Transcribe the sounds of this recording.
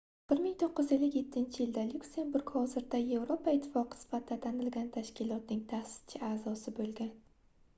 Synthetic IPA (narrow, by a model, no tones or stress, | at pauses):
b̥ɪɾmɪŋt̪ʰoqːɨzelːɪkʲje̞t̪ʰːɪnt͡ʃʰɪjɪld̪alukse̞mbuɾɡ̥hɒzɪɾd̪aje̞vɾopʰaɪt̪ʰːɪ̥fɒqʰɨ̥sɪ̥fat̪ʰɪd̪at̪ʰanɪlɡʲant̪ʰaʃkʲɪlˠɒt̪̚nɪŋt̪ʰahsɪ̥t͡ʃʰɪaːzɒsɪbolɡʲan